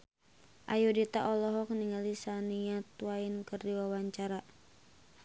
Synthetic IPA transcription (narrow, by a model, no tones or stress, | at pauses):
ʔajudit̪aʔɔlɔɦɔk̚niŋalisaniat̪uwainkɨrdiwawaɲt͡ʃaɾa